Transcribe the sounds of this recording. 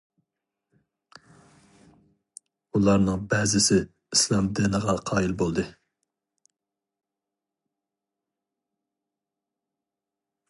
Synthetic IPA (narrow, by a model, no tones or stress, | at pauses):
ulˠɑɾnɨŋbɛzɪsɪ | islˠɑmd̪ɪnəʁɑqʰɑːilbolˠd̪ɨ